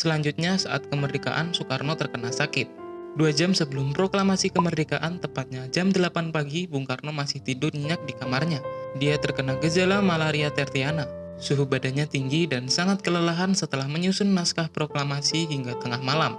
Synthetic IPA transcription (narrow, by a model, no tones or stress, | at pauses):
səlaɲd͡ʒut̪̚ɲasaʔa̰t̪̚kəmərdika̰ʔa̰nsukarnot̪ərkənasakɪt̪̚duad͡ʒamsəbəlʊmpɾoklamasikəmərdikaʔant̪əmpat̪̚ɲad͡ʒamdəlapanpaɡibuŋkarnomasɪht̪idʊrɲəɲak̚dikamarɲadiat̪ərkənaɡəd͡ʒalamalaɾiat̪ɛrt̪iana | suɦubadaɲat̪iŋɡidansaŋat̪̚kələlaɦansət̪əlahməɲusʊnːaskahpɾoklamasiɦiŋɡat̪əŋahmalam